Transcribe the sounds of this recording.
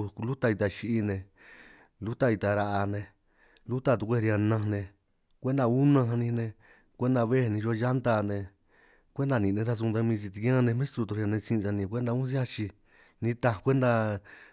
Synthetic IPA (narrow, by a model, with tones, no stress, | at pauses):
lu˦t̪a˧i˧t̪a˧ʃi˧ʔi˧nẽ˧ | lu˦t̪a˧i˧t̪a˧ɾa˧ʔa˧nẽ˧ | lu˦t̪a˧t̪u˧kʷe˦˧ɾa˧nã˧nẽ˧ | kʷe˦nd̪a˧u˦nã˧ɦã˧nĩ˧nẽ˧ | kʷe˦nd̪a˧βe˦˧nĩ˧ʒo˧˦˧ʒa˦nt̪a˧nẽ˧ | kʷe˦nd̪a˧nĩ˨nẽ˧˦ɾa˦˧s̬u˧t̪a˧mĩ˧t͡ʃ̬i˧t̪i˧˦ã˦˧nẽ˧mẽ˦st̪ɾu˧t̪u˧ɾi˧a˧nẽ˧t͡sĩ˧a˧nĩ˧kʷe˦nd̪a˧ũ˦s̬i˦a˦t͡ʃi˧ | nĩ˧t̪ã˧kʷe˦nd̪a˧